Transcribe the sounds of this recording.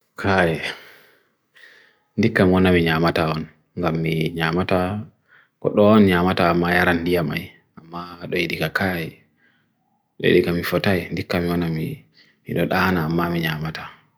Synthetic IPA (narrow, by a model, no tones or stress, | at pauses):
kʰajɛ | ndikːamiwɔnamiɲamataɔn | ŋɡamːiɲamata | kɔ̰ɗɔɔnɲamataːmːajaɾandijama̰j | amːaɗɔjiɗikakaji | ɗɔ̰jḭɗikamifɔtajndikːamiwɔnami | mḭɗɔɗanaːmːamiɲamatḁ